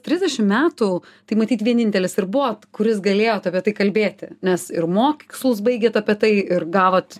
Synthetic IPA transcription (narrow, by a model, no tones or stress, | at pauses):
t̪ʲɾʲɪzʲdʲɛʃʲɪmmʲæːt̪u | t̪ɐɪmɐt̪ʲiːt̪ʋʲiɛnʲɪnʲt̪ʲɛlʲɪsɪɾbʊʋokʊɾʲɪsɡɐlʲeːjoːt̪ɐpʲiɛt̪ɐɪkɐlʲbʲeːt̪ʲɪnʲɛsɪɾmoːkʲɪkslˠʊs̬bɐɪɡʲeːt̪ɐpʲiɛt̪ɐɪɪrɡɑːʋoːt̪